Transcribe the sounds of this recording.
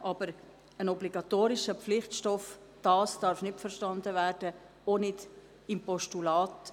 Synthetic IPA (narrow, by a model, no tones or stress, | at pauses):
ʔɑb̥əɾ | ənɔbliɡɑtoːɾɪʃəflɪχtʃtɔf | d̥ɑːsd̥ɑɾfnɪtfəɾʃtɑndəvæːɾd̥ə | onɪd | ɪmpɔʃtulɑːt